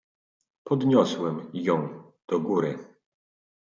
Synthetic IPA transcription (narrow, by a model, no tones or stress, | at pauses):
pɔd̪ɲɔswɛmjɔ̃w̃ | d̪̥ɔɡuɾɘ